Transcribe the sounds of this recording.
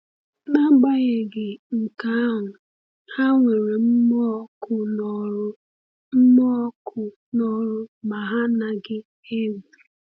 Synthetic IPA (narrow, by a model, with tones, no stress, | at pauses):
na˦ɡ͡ba˦ɣe˨ɡɪ˨ŋ̩˨ka˦a˦ɦʊ˨ | ha˦ŋʷe˨ɾe˨m̩˦m˦kʊ˦˨˦ | m̩˦mɔ˦kʊ˨ | nɔ˦ɾʊ˦ma˨ɦa˦na˨ɡɪ˦ | e˦bii˨